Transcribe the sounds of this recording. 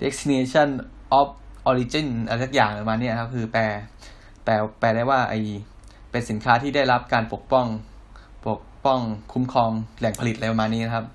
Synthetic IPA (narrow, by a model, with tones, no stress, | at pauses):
de˦˥k̚sʰi˧neː˧t͡ɕʰa˥˩n | ʔɔ˦˥p̚ʔɔː˧ɾiː˧t͡ɕi˥˩na˧ɾjsa˧˩k̚jaː˨˩ŋa˧˩˧maː˧nːi˥ɐkʰa˦˥p̚kʰɯː˧pɛː˧ | pɛː˧pɛː˧daː˥˩jwaː˥˩ʔa̰˧˩j | pe˧nsi˩˦nkʰaː˦˥t̪ʰiː˥˩daː˥˩jɾa˦˥p̚kaː˧npo˨˩k̚pɔ˥˩ŋ | po˨˩ək̚pɔ˥˩ŋkʰu˦˥mkʰɔː˧ŋlɛ˨˩˦ŋpʰa˧li˨˩t̪̚ʔa˧pa˧maː˧nːiː˦˥na˦˥kʰa˦˥p̚